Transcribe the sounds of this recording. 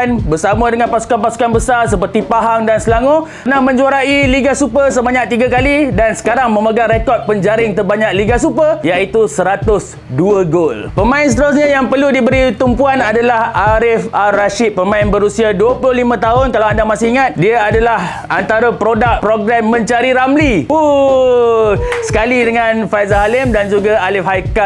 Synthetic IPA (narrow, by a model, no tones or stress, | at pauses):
nbərsamə̃dəŋãnpasu̥kanpasu̥kanbəsarsəpərt̪ipaɦaŋdansəlaŋu | ənahmə̃ɲd͡ʒuaɾailiɡasupəsəbaɲak̚t̪iɡakalidansə̥kaɾaŋmə̃məɡaŋɾekɔt̪̚pəɲd͡ʒaɾɪŋt̪əbaɲak̚liɡasupəjait̪usəɾat̪ʊs | duəɡolpəmãɪnsə̥t̪əɾʊs̬ɲãjaŋpərludibəɾit̪umpuanadalahaɾɪfaːaʃɪt̪̚pəmãɪnbəɾusiaduəpulʊhlimə̃t̪aɦʊnkalawandamasɪɦiŋat̪̚diaadalah | ant̪aɾapɾodak̚pɾoɡɾɛmːə̃ɲt͡ʃaɾiɾamliu | sə̥kalidəŋãnfajzaɦalɪmdand͡ʒuɡaalɪfhajka